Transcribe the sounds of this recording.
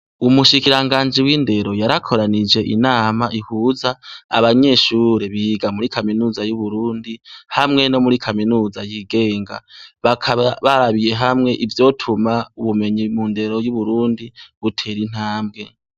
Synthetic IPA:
umuʃikiɾaŋɡaːnd͡ʒiwiːnde̞ɾo̞jaɾakʰo̞ɾanid͡ʒe̞ʔḭnaːmaʔihuːza̰ːβaɲe̞ːʃuːɾe̞βiːɡamuɾikʰaminuzajuβuɾuːndihamŋe̞no̞muɾikʰaminuːzajiɡe̞ːŋɡa̰βakʰaβaβaɾaβije̞ɦamŋe̞ʔivjo̞tʰumauβume̞ɲimunde̞ɾo̞juβuɾuːndiβutʰe̞ɾin̥aːmbɡe̞

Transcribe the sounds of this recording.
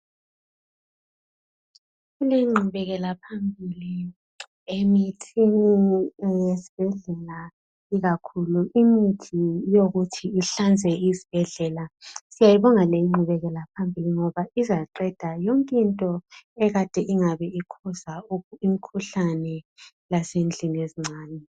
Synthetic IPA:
ɣulejiŋ͡ǃʱuβɛɣɛlapʰambʱili | emitʰinijesi̥b̥ʱɛɮɛla | iɣakʰuluʔimitʰijoɣutʰiːɬand͡zʱɛizi̥b̥ʱɛɮɛlasijajiβɔŋalejiŋ͡ǃʱuβɛɣɛlapʰambʱiliŋɔβaʔizaǃɛd̥ʱajoŋkʼintʼɔɛɣad̥ʱɛʔiŋaβɛikʰɔzauimikʰuɬanɛ | lasend͡ɮʱinieziŋ͡ǀʱaːnɛ

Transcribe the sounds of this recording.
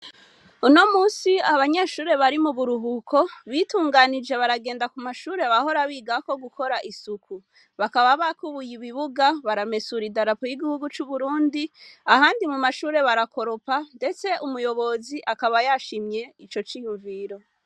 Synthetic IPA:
uno̞muːsiaβaɲe̞ːʃuːɾe̞βaɾimuβuɾuɦukʰo̞βituːŋɡanid͡ʒe̞βaɾaɡe̞ːndakumaʃuːɾe̞βaho̞ɾaβiːɡako̞ɡukʰo̞ɾaʔisukʰu | βakaβaβakuβujiβiβuɡaβaɾame̞suɾidaɾapojiɡihuɡut͡ʃuβuɾuːndiahaːndimumaʃuːɾe̞βaɾako̞ɾo̞pande̞t͡se̞ʔumujo̞βo̞ziʔakaβajaʃimɲe̞it͡ʃo̞t͡ʃijuɱviːɾo̞

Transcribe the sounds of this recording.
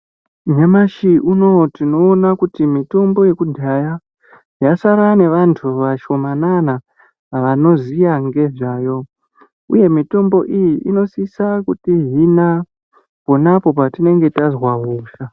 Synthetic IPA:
ɲamaʃiʔuno̞tino̞ːnakutimito̞mbo̞je̞kudʱaja | jasaɾane̞ʋantʰuʋaʃo̞manana | ʋano̞zijaŋɡe̞ʐaːjo̞ | ṵje̞mito̞mbo̞ʔijiʔino̞sisakutiɦina | po̞napo̞patine̞ŋɡe̞tazwaɦuːʃa

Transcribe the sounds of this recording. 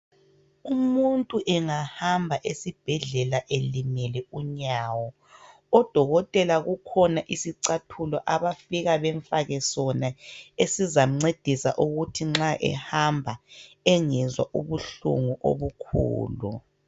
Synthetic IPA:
umuntʼuʔɛŋahambʱaʔesib̥ʱɛɮɛlaʔelimɛlɛuɲaːwɔ | ɔd̥ʱɔɣɔtʼɛlaɣukʰɔnaʔisiǀatʰulɔʔaβafiɣaβɛɱfaɣɛsɔnaesizaŋ͡ǀed̥ʱisa̰ʔuɣutʰiŋ͡ǁaʔɛ̰hambʱa | ɛŋɛzwaʔuβuɬṵŋuʔo̰βukʰṵːlṵ

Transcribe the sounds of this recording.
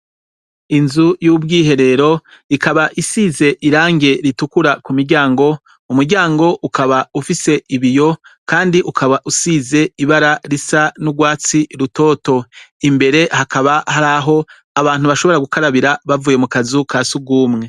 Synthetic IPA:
inzujubɡiːɦe̞ɾe̞ɾo̞ | ikaβaʔisiːze̞ʔiɾaːŋɡe̞ɾitukuɾakumiɾɟaːŋɡo̞ | umuɾɟaːŋɡo̞ʔukaβaufise̞ʔiβijo̞kaːndiʔukʰaβaʔusiːze̞iβaɾaɾisanuɡwaːt͡siɾuto̞ːto̞imbe̞ɾe̞hakʰaβahaɾaːɦo̞ | aβaːn̥huβaʃo̞βo̞ɾaɡukaɾaβiɾaβavuːje̞mukazukʰasuɡuːmŋe̞

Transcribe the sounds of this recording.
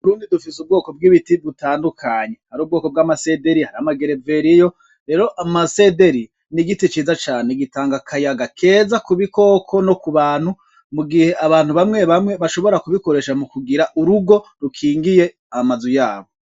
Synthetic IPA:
uɾuːndidufisub̚ɡo̞ːko̞b̚ɡiːβitibutaːndukʰaɲe̞haɾuːb̚ɡo̞ːko̞b̚ɡaːmase̞de̞ɾihaɾiamaɡe̞ɾeve̞ɾijo̞ | ɾe̞ːɾo̞ʔamase̞de̞ɾi | niɡitit͡ʃiːzat͡ʃaːneɡitaːŋɡakʰajaɡakʰe̞zakuβikʰo̞ːkʰo̞no̞kuβaːn̥hu | muɡihe̞aβaːn̥huβamŋe̞βamŋe̞βaʃo̞βo̞ɾakuβiko̞ɾe̞ʃamukuɡiɾaʔuɾuɡo̞ɾukʰiːŋɡije̞ | amazujaːβo̞

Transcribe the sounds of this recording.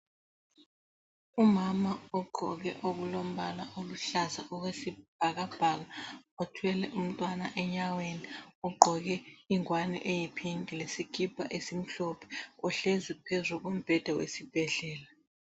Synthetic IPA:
umamaɔɡ͡ǃʱɔ̰k̬ɛ̰ʔok̬ulom̩ɓalaʔoluɬazaʔɔk̬wesib̥ʱak̬ab̥ʱak̬aotʰuwɛlɛʔum̩tʼwanaʔɛɲaweniɔɡ͡ǃʱɔk̬ɛiŋwanḭʔejipʰiŋkʼilesikʰʼipʰʼa̰ʔesim̩ɬɔpʰɛ̥ɔɬezipʰɛzuk̬om̩b̥ʱɛd̥ʱawḛsib̥ʱɛɮɛːla

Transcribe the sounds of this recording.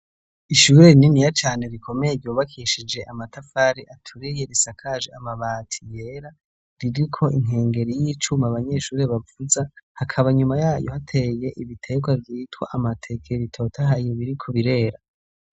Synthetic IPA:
iʃuɾe̞ninijat͡ʃaːne̞ɾikʰomejebjuːβakʰiʃid͡ʒe̞ʔamatafaɾiʔatʰuɾije̞ɾisakʰaʒeamaβaːtʰije̞ɾa | ɾiɾikʰo̞ʔiŋɦe̞ːŋɡe̞ɾijiːt͡ʃumaβaɲe̞ʃuːɾe̞βavuzahakʰaβaɲumajaːjo̞hatʰe̞je̞ʔiβitʰe̞ɡwavjiːtwa̰ʔamatʰe̞kʰeβitʰotʰahajeβiɾikʰo̞βiɾe̞ːɾa

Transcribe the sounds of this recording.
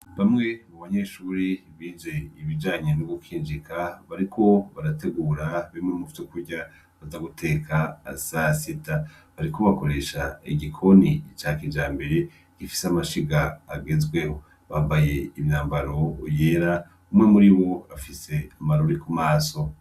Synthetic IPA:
βamŋe̞muβaɲe̞ʃuːɾiβiːnd͡ʒe̞iβid͡ʒaːɲenoɡukiːnd͡ʒikʰaβaɾikʰo̞βaɾate̞ɡuɾaβemŋemufi̥tukuɾɟa | βazaɡutʰe̞ːkʰa̰ːsasita | βaɾiko̞βako̞ɾe̞ʃaiɡikʰo̞nit͡ʃaːkid͡ʒaːmbe̞ɾe̞ | ɡ̥ifi̥seamaʃiɡaːɡe̞zweho̞ | βambaje̞imɲaːmbaɾo̞je̞ːɾa | umŋemuɾiβo̞afise̞amaɾoɾikumaːso̞

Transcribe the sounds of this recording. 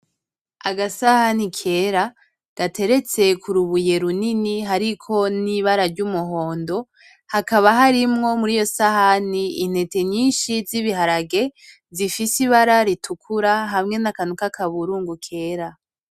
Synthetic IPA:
aɡasahanikʰe̞ːɾa | ɡ̥atʰe̞ɾe̞t͡se̞kuɾuβuje̞ɾuniniɦaɾikʰo̞niβaɾaɾɟumuɦo̞ːndo̞ | hakaβaɦaɾimŋo̞muɾijo̞sahaniin̥he̞te̞ɲiːnʃiziβiɦaɾaɡe̞ | zifisiβaɾaɾitʰukʰuɾaɦamŋe̞nakanukakʰaβuɾuːŋɡukʰe̞ːɾa

